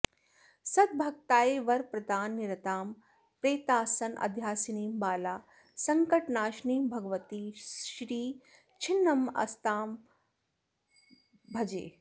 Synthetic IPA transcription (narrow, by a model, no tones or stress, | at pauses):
sɐd̪̚bʱɐk̚t̪aːeːʋɐɾpɾɐd̪aːnːiɾɐt̪aːm | pɾeːt̪aːsɐnʔɐ̰d̪ʱjaːsiniːmbaːlaː | sɐŋkɐʈnaːʃniːmbʱɐɡəʋɐt̪iːʃɾiː | t͡ʃʰinːɐmɐ̰st̪aːm | bʱɐd͡ʒḛː